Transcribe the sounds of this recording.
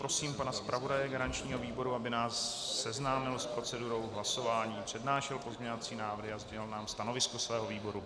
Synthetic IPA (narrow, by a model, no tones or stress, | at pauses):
pɾo̞siːmpanaspɾʔavo̞dajɛɡaɾant͡ʃɲiːɦo̞viːbo̞ɾuabɪnaːsːɛznaːmɪlspɾo̞t͡sɛduɾo̞wɦlaso̞vaːɲiːpr̝̥ɛdnaːʃɛlpo̞zmɲɛvat͡siːnaːvrɦɪazɟɛɪlnaːmst̪ano̞vɪskosvɛːɦo̞viːbo̞ɾu